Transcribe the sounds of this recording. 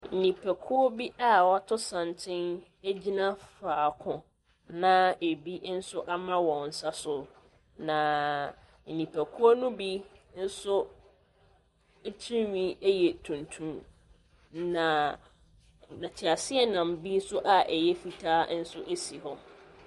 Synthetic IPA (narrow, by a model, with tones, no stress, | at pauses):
n̩˨nĩ˨pʰɛ˨kʰʊ˦ɔ˦bi˦ʔa˦wɔ˦tʰʊ˦sã˨ntʰɪ̃˦n | e˦d͡ʑi˦nã˦faː˨kʰʊ̃˨ | nã˦˨e˨bi˦n̩˦sʊ˦ʔa˦mã˦wɔ̃˨n̩˨sa˦sʊ˨ | nã˨ | n̩˨nĩ˨pʰɛ˨kʰʊ˦ɔ˦nʊ̃˦bi˦n̩˦sʊ˦ | tʰĩ˦ɥĩ˦jɛ˨tʰũ˨ntʰũ˦m | nã˨ | nã˨t͡ɕʰɪ˨a˨sɪ˦ɛ˦nã˨m̩˨bi˦n̩˦sʊ˦ʔa˨ʔɛ˨jɛ˦fi˨tʰaː˦n̩˦sʊ˦ʔe˦si˨hɔ˦